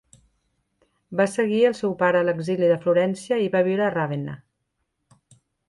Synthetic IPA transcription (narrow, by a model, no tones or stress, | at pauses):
basəɣiəlˠsɛwpaɾəːləɡziliðəfluɾɛnsiəiβaβ̞iwɾəːraβena̰